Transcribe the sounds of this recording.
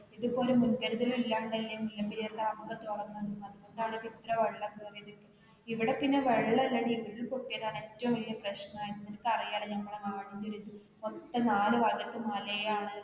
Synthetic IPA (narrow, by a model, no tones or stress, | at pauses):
iðupo̞ːlumːunɡɐɾuðɐɾɐmilːaːɳɖɐlːɐnilːɐpiɾijeɽeɐmɡɐt̪urɐnːɐnðunːɐðukoɳɖaːɽɨʋit̪rɐʋɐɭːɐmɨːriðikːɨ | iʋiɽepinːeʋeɻːɐlːɐɽiːʋiɽilkoʈːijɐðaːne̞tːɐʋɐmʋɐlijɐprɐɕnɐaːjinːunɐnɐkːɐrijaːlenɐmːɐɭekaːɽiɲːɐɾut̪ːu | ot̪ːɐnaːlɨʋɐɡɐt̪ːɨmɐlɐjaːɳɨ